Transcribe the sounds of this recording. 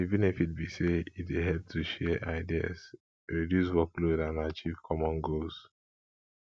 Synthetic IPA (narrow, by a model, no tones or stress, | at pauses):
ivĩnifit̚biseitweɦɛp̚tʰuʃɛʔaɪdia̰z | ɹidjuswɔklodãnat͡ʃiv̥kʰɔmɔ̃nɡols